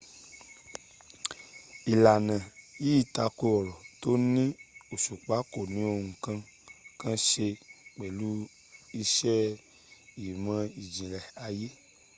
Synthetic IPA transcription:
i˨la˨nã˨ji˦i˦˨ta˧ko˧ɔ˨ɾɔ˨to˦nĩ˦o˨ʃu˨k͡pa˨˦ko˨nĩ˨˦o˧ŋũ˨kã˧ | kã˦ʃe˧k͡pe˨lu˨˦ | i˧ʃɛ˦ | i˨mã˧i˨d͡ʒĩ˨ɾɛ˨a˧je˦

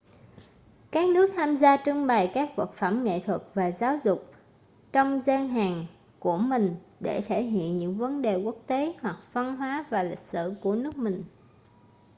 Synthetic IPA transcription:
kaː˦˥k̚nɨ˦˥ək̚t̪ʰaː˧mzaː˧t͡ɕɨ˧ŋɓa˨˩jkaː˦˥k̚və˨˩t̚fə˧˩mŋḛ˧˨t̪ʰwə˨˩k̚vaː˨˩zaː˨˦wzʊ˨˩k͡p̚ | t͡ɕɔ˧wŋ͡mzaː˧ŋɦaː˨˩ŋ | ku˧˩əmï˨˩ŋ̟ɗe˧˩t̪ʰe˧˩ɦḭ˧˨ənɲɨ̰˧˥ŋvə˨˦nɗe˨˩ku˦˥ək̚t̪e˨˦hwa˨˩k̚v̥a˧nɦwaː˨˦vaː˨˩lï˨˩k̟̚sɨ̰˧˨ku˧˩ənɨ˦˥ək̚mï˨˩ŋ̟

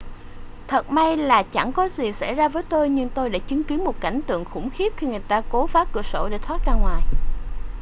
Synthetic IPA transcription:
t̪ʰə˨˩t̚ma˧jlaː˨˩t͡ɕa̰˧˩ŋkɔ˨˦zi˨˩sa̰˧˥˩jzaː˧vəː˨˦jt̪o˧jɲɨ˧ŋt̪o˧jɗa̰ː˧˥t͡ɕɨ˨˦ŋki˨˦ənmo˨˩t̚ka̰˧˩jŋ̟t̪ɨ̰˧˨əŋxʊ̰˧˩ŋ͡mxi˦˥əp̚xi˧ŋɨ˨˩əjt̪aː˧ko˨˦faː˨˦˥kɨ̰˧˩əso̰˧˩ɗe˧˩t̪ʰwaː˦˥t̚zaː˧ŋwaː˨˩j

